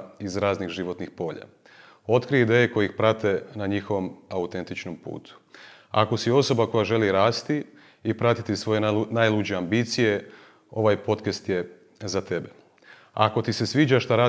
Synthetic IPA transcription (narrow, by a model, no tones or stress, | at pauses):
izɾaːznixʒiʋo̞t̪nixpo̞ːʎa̰ | o̞t̪kɾijid̪e̞jeko̞jixpɾat̪e̞naɲixo̞ʋo̞maut̪e̞nt̪it͡ʃnompṵːt̪u̥a̰ko̞sio̞so̞bako̞jaʒe̞liɾaːst̪iː | pɾat̪it̪isʋo̞je̞najlˠud͡ʑeambit̪sije̞ | o̞ʋajpo̞t̪kest̪je̞ | zat̪e̞be | a̰ko̞t̪ise̞sʋiːd͡ʒaʃt̪aɾaː